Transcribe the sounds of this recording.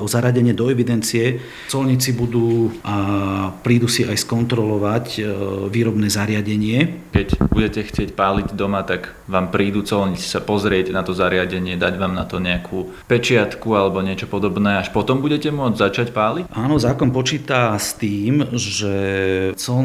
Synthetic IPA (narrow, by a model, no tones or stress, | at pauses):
ɔzaɾɪaɟɛɲɪɛd̪ɔɛʋid̪ɛnt͡siɛ | t͡sɔlɲit͡sibud̪uːʔapɾiːd̪usiajskɔnt̪ɾɔlɔʋacʋiːɾɔbnɛːzaɾɪaɟɛɲɪɛkɛcbuɟɛcɛxt͡sɪɛcpaːliɟd̪ɔmat̪aɡ | ʋaːmpɾiːd̪ut͡sɔlɲit͡si̥sapɔzɾɪɛɟnat̪ɔzaɾɪaɟɛɲɪɛd̪aɟʋaːmnat̪ɔɲɛakʰuː | pɛt͡ʃɪat̪kualɛbɔɲɪɛt͡ʃɔpɔd̪ɔbnɛːaʃpɔt̪ɔmbuɟɛcɛmʊɔd͡zzat͡ʃacpaːlicʔaːnɔzaːkɔnpɔt͡ʃiːt̪ast̪iːmʒɛt͡sɔl